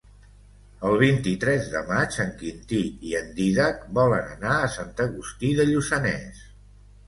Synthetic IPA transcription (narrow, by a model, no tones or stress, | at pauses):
əlˠβ̞int̪it̪ɾɛzðəmat͡ʃəŋkint̪iiənd̪iðak̚bɔlənənaəsant̪əɣust̪iðəʎusənɛ̰s